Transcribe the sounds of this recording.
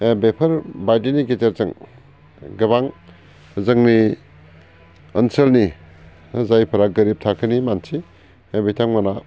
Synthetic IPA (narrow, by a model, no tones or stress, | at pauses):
bepʰɐɾbajdiniɡet͡ʃeɾzɯŋ | ɡɯβaŋ | zɯŋni | ənselni | zajpʰɐɾaɡɯɾip̚tʰakʰɯnimansʰi | bitʰaŋmana